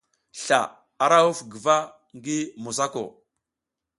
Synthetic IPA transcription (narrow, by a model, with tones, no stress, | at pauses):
ɬa˨ | a˨ɾa˦u˦fɡə˨va˦ | ŋɡi˦mu˨s̬a˦ko̰˨